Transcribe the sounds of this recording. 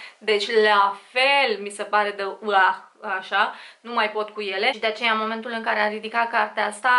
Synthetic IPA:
d̪e̞t͡ʃʲlafe̞lmise̞paɾe̞d̪eua | aʃanumajpo̞t̪̚kuje̞le̞id̪eat͡ʃe̞jamo̞me̞nt̪ulɨŋkaɾe̞arid̪ikat̪̚kart̪eaast̪a

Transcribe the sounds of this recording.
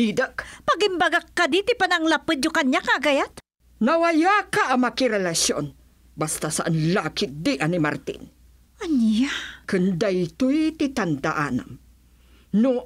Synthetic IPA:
id̪əkpɐɡɪmbaɡakːad̪it̪ɪpanɐŋlapɨd̪̚ɲokaɲjakaɡajat̪ | nɐwajakaʔːmakɪɾɛlaso̰n | bast̪asaʔanlakɪt̪̚d̪iʔanima̰ɾt̪ḭn | ʔanjakɨnd̪ajt̪ujt̪it̪and̪aʔana̰m | nʊ

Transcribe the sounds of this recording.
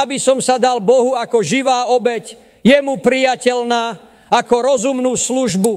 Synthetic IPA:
abisɔmsad̪albɔɦuakɔʒiʋaːɔbɛc | jɛmupɾijacɛʎnaː | akɔɾɔzumnuːsluʒbu

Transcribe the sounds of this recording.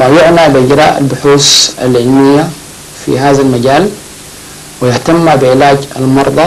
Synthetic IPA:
majʊʕnabɪʔɪɟɾa̰ːʔa̰lbʊħuːsa̰lʕɪlmɪjːa | fḭɦaːðalmaɟaːl | wɪjɪht̪amːabɪʕɪlaːɟa̰lmɑɾˤd̪ˤɑ

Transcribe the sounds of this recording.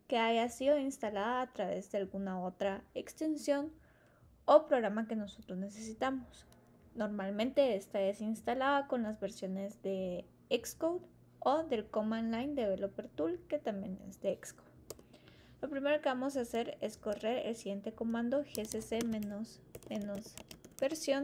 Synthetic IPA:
ke̞aʝasiðo̞inst̪alaðaːt̪ɾaβe̞̰zðe̞alɣunao̞t̪ɾaekst̪e̞nsjo̞n | o̞pɾo̞ɣɾamake̞no̞so̞t̪ɾo̞zne̞se̞sit̪amos | no̞ɾmalmẽ̞nt̪e̞est̪aesinst̪alaðako̞nlazβe̞ɾsjo̞ne̞zðe̞ | ekskowd̪ | o̞ðe̞lkomanlajnd̪e̞βelo̞peɾt̪ulke̞t̪ambje̞̰nḛzðe̞ekskowð | lo̞pɾime̞ɾo̞ke̞βamo̞s̬ase̞ɾe̞sko̞re̞ɾḛlsiɣje̞nt̪e̞ko̞mãnd̪o̞xesesem | mẽnozbe̞ɾsjo̞n

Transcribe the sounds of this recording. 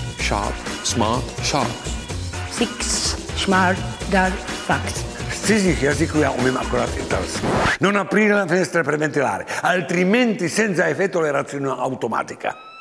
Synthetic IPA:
ʃa̰ːt̪smat̪ʃa̰t̪siksʃmaɾt̪dadfaksst̪sezixjazikujaʔomema̰kːoɾa̰t̪ḭt̪a̰lsnonapɾiɾelafinɛst̪ɾapɾevent̪ila̰ːɾealt̪ɾimɛnt̪isɛnt̪saefɛt̪ːoleɾat̪sjona̰wt̪oma̰t̪ikʰa̰

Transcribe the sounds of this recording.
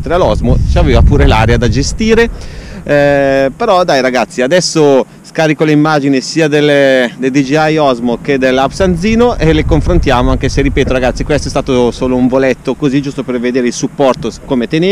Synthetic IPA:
t̪ɾealɔzmot͡ʃaveːvapuːɾelaːɾead̪ad͡ʒest̪iːɾe | peɾɔd̪ajɾaɡat̪sːiad̪ɛsːo | skaːɾikoleimːad͡ʒinisiːad̪eld̪eld̪id͡ʒiajɔzmoked̪elːapsand̪ziːnoʔelekoɱfɾont̪jaːmoaŋk̟eserːipeːt̪oɾaɡat̪sːikwest̪oɛst̪aːt̪osoːlouɱvolɛt̪ːokozid͡ʒust̪operved̪eːɾeilsupːɔrt̪okomet̪ene

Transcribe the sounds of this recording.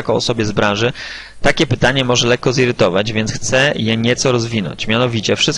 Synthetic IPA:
akɔɔ̰sɔbʲjɛzbɾãʐɘ | t̪akʲɛpɘt̪aɲɛmɔʐɛlɛkːɔziɾɘt̪ɔvad͡ʑvʲjɛnt̪xt̪sɛjɛɲɛt̪sɔɾɔzvʲinɔ̰ɲt͡ɕmʲjanɔvʲit͡ɕɛfʂɘst̪

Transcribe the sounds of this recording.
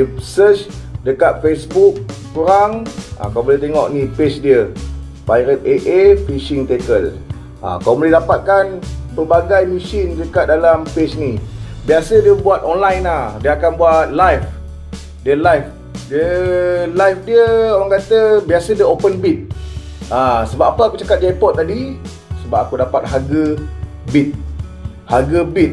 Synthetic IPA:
sət͡ʃdəkat̪̚fesbuk̚kuɾaŋʔa̰kawbolɛht̪eŋɔʔnipet͡ʃdiə | pajɾət̪̚eʔefiʃɪŋt̪ekəl | ʔa̰kawbolɛɦdapat̪̚kanpərbaɡajmisindəkat̪̚dalampet͡ʃnibiasədiəbuat̪̚ɔnlajnadiəakanbuat̪̚lajf | diəlajf | diəlajfdiəowaŋkat̪əbiasədiəopənbit̪̚ | asəbap̚apəakut͡ʃakat̪̚d͡ʒajpɔt̪̚tadi | səbap̚akudapat̪̚ɦaɡə | bit̪̚ | haɡəbit̪̚

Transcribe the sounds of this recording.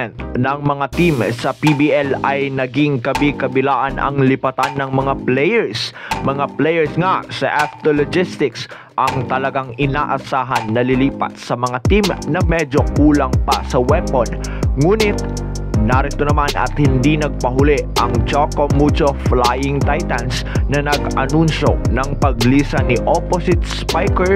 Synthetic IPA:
ɛnt̪nɐŋmɐŋat̪imsɐpibiʔɛlɐjnɐɡiŋkɐbikɐbɪlaːʔanɐ̰ŋlɪpɐt̪anːɐŋmɐŋaplɛjɛɹsmɐŋaplɛjɛɹsŋasɐ̰ʔaft̪olod͡ʒɪst̪ɪks | ʔɐŋt̪ɐlɐɡaŋɪnaːʔɐsaːɦɐnːɐlɪliːpɐ̰t̪̚sɐmɐŋat̪imnɐmɛd͡ʒo̞kuːlɐŋpɐsɐwɛponŋuːnɪt̪̚ | naːɾɪt̪onɐmanɐ̰t̪hɪnd̪inɐɡ̚pɐɦʊlɛʔʔɐŋt͡ʃokomːut͡ʃoflajɪŋt̪ajt̪ɐns | nɐnɐɡɐnunʃo̞nɐŋpɐɡliːsɐnɪʔoposɪt̪̚spajkɛ

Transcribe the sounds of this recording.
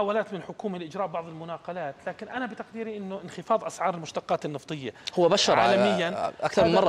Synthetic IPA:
ħaːwalaːt̪mɪnlħʊkuːmalɪʔɪd͡ʒɾˤɑːʔbɑʕðˤɪlmʊnɑːqɑlaːt̪laːkɪnʔanabɪt̪aqd̪iːɾiʔɪnːʊʔɪnxɪfɑːðˤʔasʕɑːɾˤɪlmʊʃt̪ɑqːɑːt̪ɪnːɑft̪ˤɨjːahʊwːabaʃɑɾˤʕˤaːlamɪjːanʔakθɑɾmnmɑrˤːɑ

